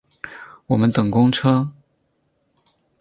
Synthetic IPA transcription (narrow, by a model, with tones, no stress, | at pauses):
wɔ˨˩mə˦nt̪ɤ˨˩ŋkʊ˥ŋʈ͡ʂʰɤ˥